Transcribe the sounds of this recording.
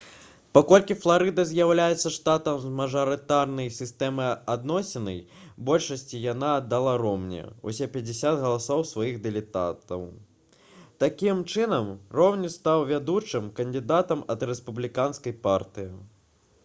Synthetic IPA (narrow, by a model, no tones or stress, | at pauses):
pakɔlʲkʲiflˠaɾɨd̪ɐzʲjawlʲajɛt̪sːɐʂt̪at̪ɐmzmɐʐɐɾɨt̪arnɐjsʲist̪ɛmɨad̪nɔsʲɛnɐj | bɔlʲʂɐsʲt͡sʲijan̪ad̪d̪alˠaɾɔmnʲɛ̰ṵsʲɛpʲɐd͡zʲɪsʲat̪ɣɐlˠasɔwsvajiɣd̪ɛlʲɪt̪a̰t̪ɐ̰w | t̪akʲimt͡ʂɨnɐmrɔwnʲist̪awvʲad̪ut͡ʂɨmkɐnd̪ɨd̪at̪ɐmɐd̪ɾɛspublʲikanskɐjpart̪ɨji